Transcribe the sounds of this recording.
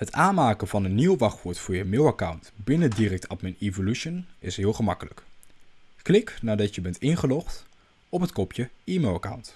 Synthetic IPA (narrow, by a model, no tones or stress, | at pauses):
ɦətaːnmaːkəvɑnənːiwʋɑχʋʊːɹtfʊːɹjəmɪːwakawntbɪnədirɛk̚tʰɑtmɛnivolyʃənɪsɦɪːlˠχəmɑkələk | klɪknaːɹdɑtjəbɛntɪnχəlɔχt | ɔpɦətkɔpjəiːmɪlˠaka̰wnt